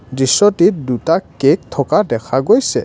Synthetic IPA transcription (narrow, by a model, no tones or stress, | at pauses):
dɹisːɔtit̚dutakek̚tʰɔkadɛkʰaɡojsɛ